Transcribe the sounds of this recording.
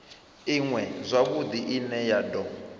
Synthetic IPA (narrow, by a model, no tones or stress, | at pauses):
iŋwɛzʷaβud̪iʔinɛjadɔ